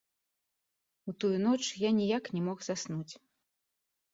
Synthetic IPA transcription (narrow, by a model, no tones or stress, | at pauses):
ut̪ujunɔt͡ʂjanʲijaknʲɛmɔxzasnut͡sʲ